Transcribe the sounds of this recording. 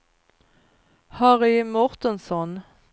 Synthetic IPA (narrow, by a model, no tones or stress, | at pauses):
hɑʁɪmɔʁt̪ənsɔn